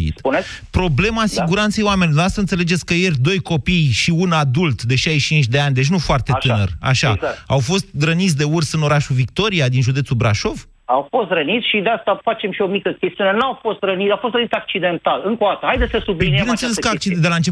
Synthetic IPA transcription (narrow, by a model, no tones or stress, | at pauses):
ḭspunepɾo̞ble̞masiɡuɾant̪se̞jwamenʲlod̪asəɨnt̪sele̞d͡ʒe̞t̪sʲkəje̞rʲd̪o̞jko̞pijʃiunad̪ult̪d̪e̞ʃajʃt͡ʃint͡ʃʲd̪e̞anʲd̪e̞t͡ʃ̬ʲnufoart̪et̪ɨnə̰ra̰ʃaawfo̞st̪̚ɡɾənit̪sʲd̪e̞ursɨno̞ɾaʃuvik̚t̪o̞ɾiad̪inʒud̪esubɾaʃo̞v | awfo̞st̪ɾənit̪sʲʃid̪east̪afat͡ʃe̞mʃio̞mikəkʲe̞st̪iunenawfo̞st̪ɾənit̪afo̞st̪ɾənit̪ak̚t͡ʃid̪e̞nt̪alɨŋkod̪at̪əhajd̪esəsubibinenseleskəak̚t͡ʃid̪elaɨnt͡ʃe